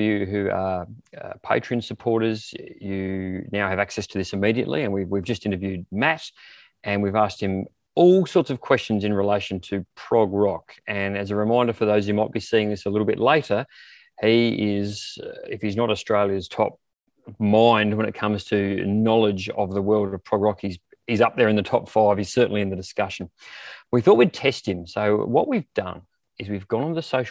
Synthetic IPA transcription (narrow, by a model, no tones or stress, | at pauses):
jɨɦʉəʌ̰pʰeɪt͡ʃɹ̥iɨ̃nsɨpʰɔɹɾə˞zjɨnaʊɨvæksɛstʰɨðɪsɨmiɾiɨ̰ʔˡlḭɨ̃nwiwivd͡ʒʌstɪ̃ñtə˞vjʉd̚mæɾ | ʔɨ̃nwivæst̚hɨ̃m | ɔlˠsɔɹtsʌv̥kʰw̥ɛst͡ʃn̩zɨ̃nɹileɪʃɨ̃n̩tʰɨpʰɹ̥ɑɡɹɑkɨ̃nɨzɨɹɨmãɪ̃ndə˞fə˞ðoʊzhʉmaɪt̚b̥isiɪ̃ŋðɪsəlɪɾl̩ˠbɪʔˡleɪɾə˞ | iɪzɪfhiznəɾəstɹ̥eɪlˠjɨz̥tʰɑ̰p̚ | mãɪ̃nd̚wə̃nɨt̚kʰʌ̃mz̥tʰɨnɑlˠɪd͡ʒʌ̰vðəwɜ˞lˠdəv̥pʰɹ̥ɑɡɹɑkhiz | ɨzʌp̚ðə˞ɨ̃nðɨtʰɑpfaɪv̥ɨz̥sɜ˞ʔn̩liɨ̃nðɨdɨskʌʃn̩wiθɔt̚witʰɛst̚hɨ̃msoʊwʌ̰ʔ̚wivdʌ̰̃n | ɨzwivɡɔ̃ñn̩ðɨsoʊʃ